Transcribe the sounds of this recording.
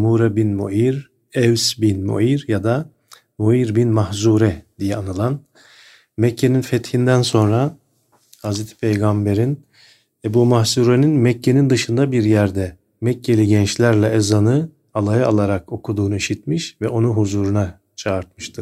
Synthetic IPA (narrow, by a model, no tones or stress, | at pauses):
muɾabinmoiɾ | ɛvsbinmo̰iɾjad̪a | moiɾbinmahzuːɾɛd̪̥ijɛanɯlˠan | mɛcʰːe̞ninfɛt̪hind̪ænso̞nɾa | hazɾet̪ʰi̥pʰejɡambe̞ɾin | ebuːmahzuːɾeninmɛcːe̞nind̪ɯʃɯnd̪abiɾjæɾd̪ɛ | mɛcːe̞lʲiɟɛnt͡ʃlʲæɾlʲɛɛzanɯ | alˠajɯalˠaɾako̞kʰud̪uːnuiʃit̪miʃvɛo̞nuɦuzuːɾuna | t͡ʃʰaːɾt̪̚mɯʃt̪ʰɯɾ